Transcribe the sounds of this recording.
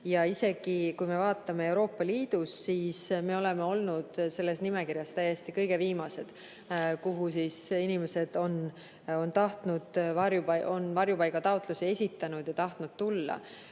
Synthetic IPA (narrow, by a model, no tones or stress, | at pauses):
jɑise̞ɡ̥ikujme̞vɑːt̪ːˑɑme̞e̞wɾo̞ːpˑːɑliːd̪̥usːiːsme̞o̞le̞me̞o̞lnud̪̥se̞lːe̞snime̞kiɾjɑst̪æje̞st̪ikɤ̞jɡ̥e̞viːmɑse̞d̪̥ | kuɦusisinime̞se̞d̪̥o̞n | o̞nt̪ɑht̪nud̪̥vɑɾjupɑʔo̞nvɑrjupɑjkɑt̪ɑot̪ˑlusie̞sʲit̪ːˑɑnud̪̥jɑt̪ɑht̪nud̪̥̚t̪ulːɑ̰